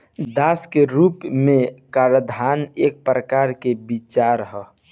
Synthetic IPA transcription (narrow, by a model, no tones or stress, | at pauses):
d̪askeɾuːpmẽkaɾəd̪ʱaneːk̚pɾəkaɾkebit͡ʃaɾɦə